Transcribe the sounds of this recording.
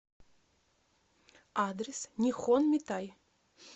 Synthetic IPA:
ad̪ɾʲesnʲixonmʲit̪aj

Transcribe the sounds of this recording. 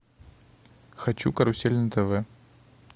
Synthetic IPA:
xɐt͡ɕṵkɐɾʊsʲelʲnɐt̪ɛvɛ

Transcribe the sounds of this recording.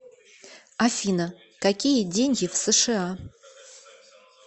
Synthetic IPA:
afinɐ | kakʲijɛdenʲɡʲɪfsɨʂɨa

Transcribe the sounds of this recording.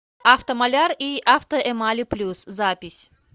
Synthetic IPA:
aft̪əmɐlʲariʔaft̪əʔɛmalʲiplʲuszapʲɪsʲ

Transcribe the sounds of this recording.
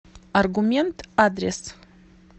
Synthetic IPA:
arɡumʲe̞nt̪ad̪res

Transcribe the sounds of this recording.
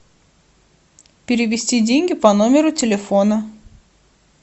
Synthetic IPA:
pʲɪɾʲɪʋʲɪsʲt̪ʲid̪ʲiŋʲɡʲɪpɐnɔmʲɛɾut̪ʲɛlʲɛfɔnɐ

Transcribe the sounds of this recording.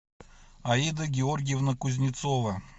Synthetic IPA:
ɐid̪əɡʲɪorɡʲɪjəvnəkʊzʲnʲɪt̪sovə

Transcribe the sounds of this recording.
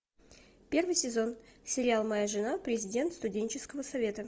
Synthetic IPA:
pʲe̞rvɨjsʲɪzo̞nsʲɪɾʲɪalˠmɐjaʐɨnapɾʲɪzʲɪdʲe̞nt̪st̪ʊdʲenʲt͡ɕɪskəvəsɐvʲe̞t̪ə

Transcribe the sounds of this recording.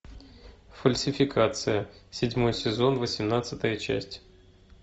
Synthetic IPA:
fəlʲsʲɪfʲɪkʰat̪sɨjəsʲɪdʲmo̞jsʲɪzo̞nvəsʲɪmnat̪sɨt̪əjət͡ɕæ̰sʲtʲ

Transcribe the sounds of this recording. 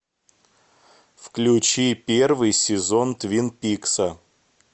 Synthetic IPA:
fklʲʊt͡ɕipʲervɨjsʲɪzont̪vʲinpʲiksə

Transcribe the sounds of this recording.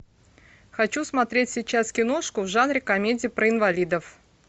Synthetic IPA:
xɐt͡ɕusmɐt̪ɾʲetʲsʲɪt͡ɕaskʲɪno̞ʂkʊvʐanɾʲɪkɐmʲedʲɪːpɾəɪnvɐlʲid̪əf

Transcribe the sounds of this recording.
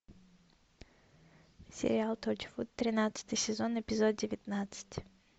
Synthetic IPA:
sʲɪ̰ɾʲɪalˠt̪ot͡ʃɪ̥fut̪t̪ːɾʲɪnat̪sɨ̥t̪ɨjsʲɪzo̞nɪpʲɪzod̪̚dʲɪvʲɪt̪nat̪sɨ̥tʲ

